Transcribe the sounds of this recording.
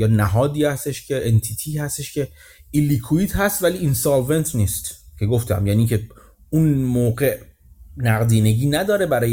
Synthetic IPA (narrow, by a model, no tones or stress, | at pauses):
jɒːnæɦɒːd̪iːhæst̪e̞ʃcʰe̞ʔent̪ʰit̪ʰiːhæst̪eʃcʰe̞ | ilikʰuiːt̪hæst̪væliːinsɒlve̞nt̪ʰniːst̪cʰe̞ɡoft̪ʰæ̰mjæniːcʰe̞ | unmoːɢe̞ʔ | næɣd̪iːne̞ɟiːnæd̪ɒːɾe̞bæɾɒːj